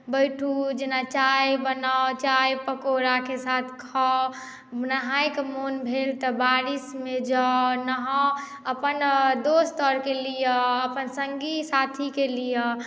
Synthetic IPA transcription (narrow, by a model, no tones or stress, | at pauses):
bəjʈʰud͡ʒenat͡ʃajbənat͡ʃajpəkoɾakesat̪ʰkʰɔ | nəɦajkemonbʱelt̪ɔbaɾismed͡ʒanəɦã | əpənd̪ost̪əɾkelijəːpənsəŋɡisat̪ʰikelijə